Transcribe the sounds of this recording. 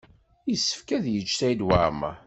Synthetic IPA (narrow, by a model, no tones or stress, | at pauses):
jəsːə̥fkæðjəd͡ʒːt̪æjd̪wa̰ɾma̰